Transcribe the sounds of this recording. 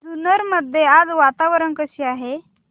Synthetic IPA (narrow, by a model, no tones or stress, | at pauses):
d̪unəɾməd̪ʱːjead͡zʋat̪aʋəɾənkəɕiːaɦe